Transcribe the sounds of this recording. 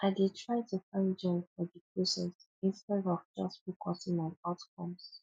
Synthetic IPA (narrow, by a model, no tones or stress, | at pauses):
ʔaɪdidtʰɹaɪtʰufãɪ̃nd͡ʒɔ̃nɔdikʰesə̰̃ns | ĩnstɛdɔvd͡ʒʌstfokʰɔsĩŋmãɪatkʰɔ̃ms